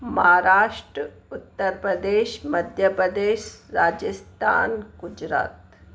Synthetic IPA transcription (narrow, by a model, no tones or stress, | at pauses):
mɐɦaɾaːʂʈɾə | ut̪ːəɾpɾəd̪eːʃməd̪ʱjəpɾəd̪eːʃɾaːd͡ʒəst̪ʰa̰ːnɡud͡ʒɾa̰ːt̪